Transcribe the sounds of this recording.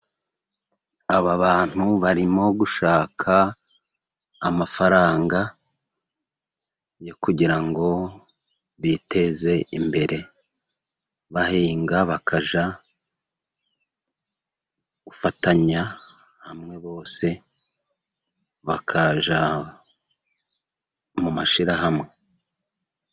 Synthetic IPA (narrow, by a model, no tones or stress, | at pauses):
aβaβaːn̥huβaɾimo̞ɡuʃaːkʰa | mafaɾaːŋɡa | jo̞kuɟiɾaŋɡo̞ | βite̞ze̞imbe̞ɾe̞ | βahiːŋɡaβakʰaʒa | ɡ̥ufataɲa | hamŋe̞βo̞ːse̞ | βakʰaʒa | mumaʃiɾaɦamŋe̞